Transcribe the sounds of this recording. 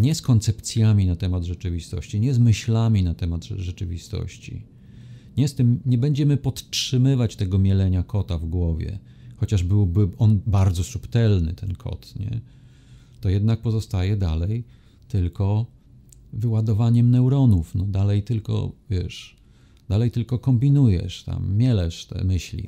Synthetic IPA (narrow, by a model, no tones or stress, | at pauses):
ɲɛskɔnt̪sɛpt̪sʲjamʲinat̪ɛmad̪ʐɛt͡ʂɘvʲist̪ɔ̰ɕt͡ɕiɲɛzmɘɕlamʲinat̪ɛmad̪ʐɛt͡ʂɘvʲist̪ɔ̰ɕt͡ɕḭ | ɲɛst̪ɘmɲɛbɛɲd͡ʑɛmɘpɔt̪tʂɘmɘvat͡ɕt̪ɛɡɔmʲjɛlɛɲakʰɔt̪avɡwɔvʲjɛ̰ | xɔt͡ɕaʐbɘwbɘɔnbaɾd̪zɔsupt̪ɛlnɘ̰t̪ʰɛnkʰɔ̰t̪ɲɛ̰ | t̪ɔjɛd̪nak̚pɔzɔst̪ajɛd̪alɛj | t̪ɘlkɔ | vɘwad̪ɔvaɲɛmnɛwɾɔnufnɔd̪alɛjt̪ɘlkɔ̰vʲjɛʂ | d̪̥alɛjt̪ɘlkɔkɔmbʲinujɛ̰ʂt̪a̰mːʲjɛlɛʂt̪ɛ̰mɘɕlʲḭ